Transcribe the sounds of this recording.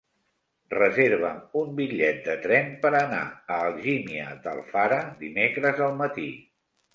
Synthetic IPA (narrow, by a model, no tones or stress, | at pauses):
rəzeɾβ̞əmumbiʎɛt̪̚d̪ət̪ɾɛmpəɾəna̰əːlˠʒimiə̰d̪ə̰lˠfaɾəd̪imekɾəzəlˠmət̪ḭ